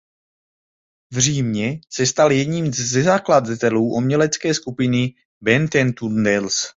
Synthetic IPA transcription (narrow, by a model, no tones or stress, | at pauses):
vr̝iːmɲɛsɛst̪aljɛdɲiːmzːɛzaklad̪at̪ɛluːʔomɲɛlɛt͡skɛːskupɪnɪ | bɛnt̪ɛnt̪und̪ɛls